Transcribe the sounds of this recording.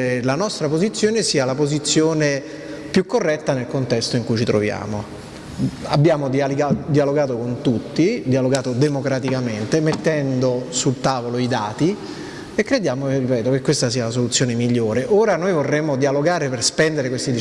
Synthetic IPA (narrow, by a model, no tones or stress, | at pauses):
lanɔst̪ɾapozit̪sːjoːnesiːalapozit̪sːjoːne | pjukːorːɛt̪ːanelkont̪ɛst̪oiŋkujt͡ʃit̪ɾo̰vja̰ːmo | a̰bːjaːmod̪ialiɡad̪ialoɡaːt̪okont̪ut̪ːid̪ialoɡaːt̪od̪emokɾat̪ikament̪emet̪ːɛnd̪osult̪aːvoloid̪aːt̪i | ekːɾed̪jaːmoripɛːt̪okekːwest̪asiːalas̬olut̪sːjoːnemiʎːoːɾeʔoːɾanoːjvorːemːod̪ialoɡaːɾeperspɛnd̪eɾekwest̪id̪i